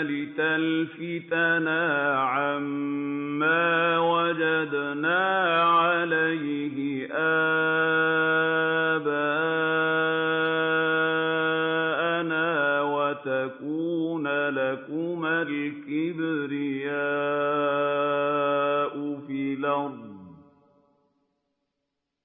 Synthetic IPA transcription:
lɪt̪alfɪt̪anaːʕamː | aːwad͡ʒad̪naːʕalaj | ɦɪ | ʔa | baː | ʔanaːwat̪akuːnalakʊmalkɪbɪɾɪjaː | ʔʊfiːlɑdˤ

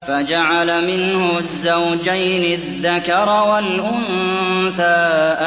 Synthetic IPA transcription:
fad͡ʒaʕalamɪnhʊzːawd͡ʒajnɪðːakɑɾˤwalʔʊnθaːʔ

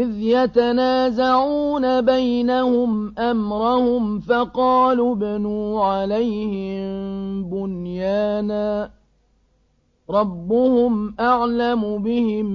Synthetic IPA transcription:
ʔɪðjat̪anaːzaʕuːnabajnahʊmʔamɾˤahʊmfɑqɑːluːbanuːʕalajhɪmbʊnjaːnaː | ɾˤɑbːʊhʊmʔaʕlamʊbɪhɪm

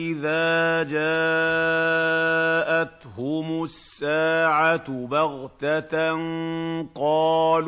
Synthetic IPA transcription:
ɪðaːd͡ʒaː | ʔat̪hʊmʊsːaːʕabɑɣt̪anqɑːl

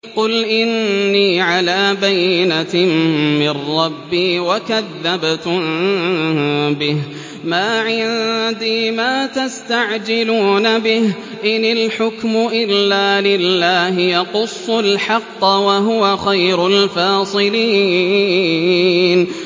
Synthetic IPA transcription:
qʊlʔɪnːiːʕalaːbajnammɪrːɑbːiːwakaðːabt̪m | bɪh | maːʕɪnd̪iːmaːt̪ast̪aʕd͡ʒɪluːnabɪh | ʔɪnɪlħʊkmʊʔɪlːaːlɪlːaːɦɪjɑqʊsˤːʊlħɑqːwaɦʊwaxajɾʊlfɑːsˤɨliː | n

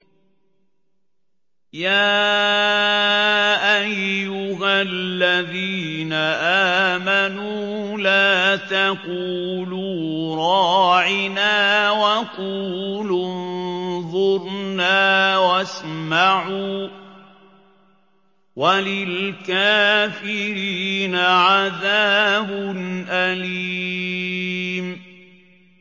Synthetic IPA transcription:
jaː | ʔajːʊɦalːaðiːnaʔaːmanuː | laːt̪aquːluːɾˤɑːʕɪnaːwaqulʊnðˤʊɾnaːwasmaʕuː | walɪlkaːfɪɾiːnaʕaðaːbʊnʔali | m

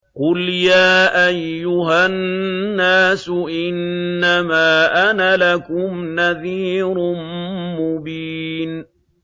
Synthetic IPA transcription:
qʊljaːʔajːʊɦanːaːsʊʔɪnːamaːʔanalakʊmnaðiːɾʊnmʊbiːn

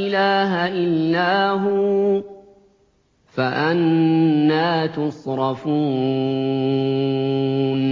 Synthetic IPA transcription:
ʔɪlaːɦaʔɪlːaːɦʊ | faʔanː | aːt̪ʊsˤɾˤɑfuː | n

